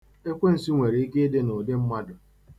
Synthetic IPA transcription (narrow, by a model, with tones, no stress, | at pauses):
e˦kʷe˦n̩˨si˦ŋʷe˨ɾe˨˦i˦ke˦e˦de˦no˨de˦m̩˦ma˦dʊ˨